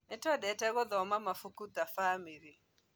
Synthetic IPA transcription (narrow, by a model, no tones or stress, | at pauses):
nɪtɔdɛtɛɡɔd̪ɔmamafukut̪afamiɾi